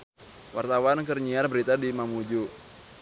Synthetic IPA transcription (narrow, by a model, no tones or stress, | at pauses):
wart̪awankərɲiarbəɾit̪adimamud͡ʒu